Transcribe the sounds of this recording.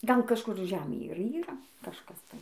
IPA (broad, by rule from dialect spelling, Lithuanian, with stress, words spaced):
ˈɡɐlˠ kɐʃˈkʊr ˈʒʲæːmʲeːj ɪr ˈiːrɐ kɐʃˈkɐs tɐɪ